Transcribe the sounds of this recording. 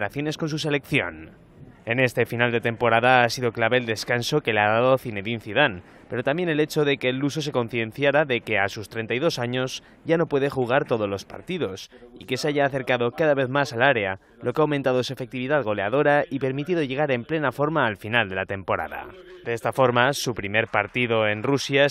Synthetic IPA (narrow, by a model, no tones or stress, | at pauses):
ɾaθjo̞ne̞sko̞nsus̬e̞le̞kθjo̞̰n | e̞ne̞st̪e̞finald̪e̞t̪e̞mpo̞ɾaðaasiðo̞klaβe̞ːld̪e̞skanso̞ke̞leaðaðo̞θine̞ðinθuð̞an | pe̞ɾot̪ambje̞ne̞le̞t͡ʃo̞ðe̞keːlus̬o̞s̬e̞ko̞nθjẽ̞nθjaɾaðe̞ke̞asust̪ɾe̞nt̪ajðo̞saɲo̞z | ɟ͡ʝano̞pwe̞ðe̞xuɣ̞aɾt̪o̞ð̞ozlo̞spa̰ɾt̪iðo̞sike̞seaʝaːθe̞ɾkaðo̞kaðaβe̞θmasalaɾe̞a | lo̞keawmẽnt̪aðoes̬ue̞fe̞k̚t̪iβiðaðɣo̞le̞aðo̞ɾaipe̞ɾmit̪iðo̞ʝe̞ɣ̞aɾe̞mple̞nafo̞ɾmaːlfinald̪e̞lat̪e̞mpo̞ɾa̰ða̰d̪eest̪afo̞ɾmasupɾime̞ɾpaɾt̪iðo̞e̞nrusja